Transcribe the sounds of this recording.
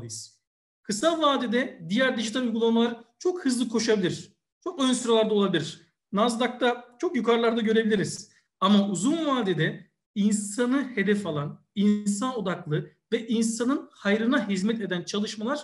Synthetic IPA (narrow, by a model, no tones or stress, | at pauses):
ɯjɯz̥ | kʰɯsalˠvaːd̪ed̪ɛd̪ijæɾd̪iʒit̪ʰalʲujɡulˠamalˠaɾɯt͡ʃʰo̞khɯzlˠɯkʰo̞ʃabilʲiɾ̥ | t͡ʃʰo̞kønsyɾalʲˠaɾd̪aolˠabilʲiɾ̥ | nazd̪ak̚t̪ʰat͡ʃʰokjukʰaɾlˠaɾd̪aɟø̞ɾe̞bilʲiɾiz̥ | amauzunvaːd̪ed̪ɛ | insanɯhe̞d̪ɛfalˠan | ins̬ano̞d̪aklˠɯvɛʔinsanɯnhajɾɯnaɦizmɛt̪e̞d̪ænt͡ʃʰalˠɯʃmalˠaɾ̥